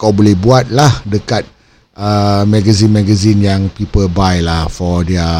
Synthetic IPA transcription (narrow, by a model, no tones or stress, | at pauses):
kawbolɛhbuat̪̚lahdəkat̪̚ | əmãɡazinmãɡəzinjaŋpipəlbajlahfɔdiə